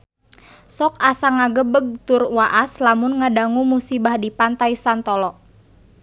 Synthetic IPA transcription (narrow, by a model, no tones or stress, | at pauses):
sɔkasaŋaɡəbəɡ̚t̪ʊrwaʔaslamʊnŋadaŋumusibahdipant̪aisant̪ɔlɔʔ